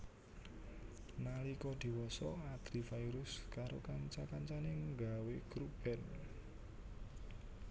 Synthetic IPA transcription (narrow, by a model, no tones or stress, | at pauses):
nalikɔd̪̥i̤wɔsɔad̪̥ɾifaiɾʊskaɾokaŋt͡ʃakaɲt͡ʃanɪŋɡaweɡ̥ɾub̥ɛn